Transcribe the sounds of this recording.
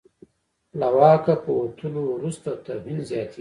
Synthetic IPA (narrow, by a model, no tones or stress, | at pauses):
lawɑːkapəwot̪ʰulowɾust̪at̪aɦinzjɑːt̪ʰi